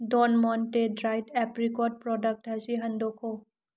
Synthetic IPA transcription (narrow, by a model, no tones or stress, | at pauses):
dɔnmɔntedɾajdɛpɾikɔd̚pɾɔdək̚ʈɦɐziɦɐnd̪okʰo